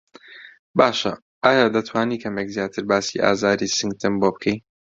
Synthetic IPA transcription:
baːʃɐ | ʔaːjaːd̪ɐt̪ʰwaːniːkʰɐmekzjaːt̪ʰɨɾbaːsiʔa̰ːzaːɾisɨŋɡ̚t̪ʰɨmboːbɨkʰej

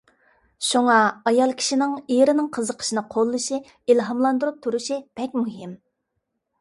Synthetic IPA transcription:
ʃuŋɑɑjɑlˠkʲʰi̥ʃinɪŋijɾɪnɪŋqʰəzəqʰə̥ʃinɨqʰolˠːɨʃi | ilɦɑmlˠɑnd̪uɾup̚t̪ʰːuɾuʃib̥ɛkʲmuɦɪm

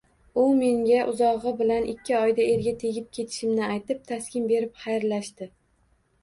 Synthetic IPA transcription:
ʊme̞ŋɡʲaʔʊzɒʁɨbɪlanʔɪkʲːɪɒjd̪ae̞ɾɡʲat̪ʰe̞ɡʲɪp̚kʲʰe̞t̪ʰɪ̥ʃɪmnɪajt̪ɪp̚t̪ʰaskʲɪnbe̞ɾɪpχajɾlaʃt̪ɪ

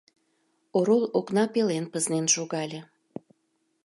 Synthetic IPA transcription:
oɾoloknɑpelenpəznenʃoɣɑlʲĕ

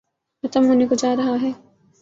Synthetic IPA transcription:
xɐt̪əmɦonekʊd͡ʒaːɾɐɦaɦɛː

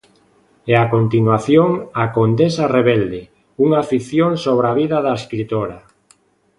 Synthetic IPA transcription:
ɛakont̪inwaθjoŋakond̪esareβɛld̪e | uŋafiθjoŋsoβ̞ɾaβ̞iðaðaeskɾit̪oɾa

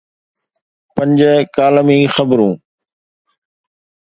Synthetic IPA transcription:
pə̃ɲd͡ʒəkaːləmĩːxəbɾũː

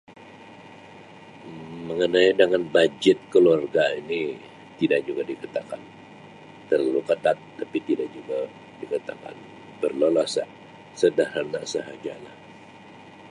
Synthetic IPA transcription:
məŋənajdəŋanbad͡ʒɛt̪̚kəluarɡaini | t̪idak̚d͡ʒuɡadikat̪akan | t̪əralukət̪at̪ːapit̪idak̚d͡ʒuɡa | dikat̪a̰ka̰n | bərlolasa | sədahɾanasəɦad͡ʒalah

